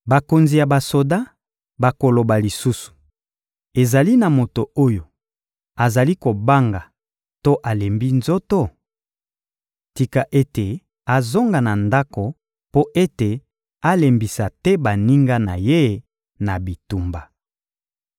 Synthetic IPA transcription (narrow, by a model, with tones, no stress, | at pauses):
ba˨ko˨nzi˨ja˨ba˨so˨da˦ | ba˨ko˨lo˨ba˨li˨su˦su̥˨ | e˨za˨li˦na˨mo˨to˨o˦jo˨ | a˨za˨li˦ko˨ba˦ŋɡa˨ | to˦ʔa˨le˨mbi˦nzo˦to˦ | ti˨ka˨ʔe˦te˨ | a˨zo˦ŋɡa˨na˨nda˦ko˨ | po˦ʔe˦te˨ | a˦le˨mbi˨sa˨tɛ˦ba˨ni˦ŋɡa˦na̰˨je˦ | na˨bi˨tu˨mba˨